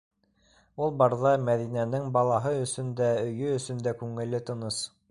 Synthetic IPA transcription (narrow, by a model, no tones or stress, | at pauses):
ulˠbɑɾðɑmæðinænɘŋbɑlˠɑɦɤɵ̆sɵ̆nd̪æɵ̆jɵɵ̆sɵ̆nd̪ækʉŋɘ̆lːɘt̪ɤ̆nɤs